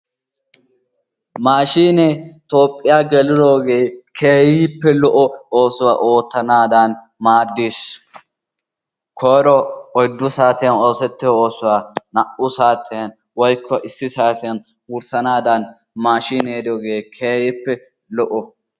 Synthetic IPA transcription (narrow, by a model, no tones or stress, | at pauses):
maːʃiːnet̪o̞ːpʼːɪjaːɡɛlɪd̪o̞ːɡe̞ːkʰeːjjɪpːɛlɔʔɔoːsʊwaːʔoːt̪ːɐnaːd̪ɐn | maːd̪ːis | kʰɔːɾɔɔjd̪ːʊsaːt̪ɪjɐno̞ːsɛt̪ːɪo̞ːsʊwaːnɐʔʊsaːt̪ʰɪjɐn | wɔjkʰːɔʔɪsːɪsaːt̪ɪjɐn | ʊɾsɐnaːd̪ɐn | maːʃiːneːd̪oːɡe̞ːkʰeːjɪpːɛ | lɔʔɔ